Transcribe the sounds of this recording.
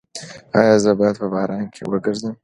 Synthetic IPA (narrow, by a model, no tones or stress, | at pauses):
ɑjɑzəbɑjad̪̚pəbɑɾɑŋkʰḛwəɡəɾzəm